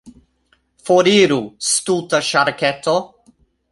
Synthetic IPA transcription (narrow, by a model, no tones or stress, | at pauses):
foɾiːɾust̪ut̪aʃaɾkɛt̪o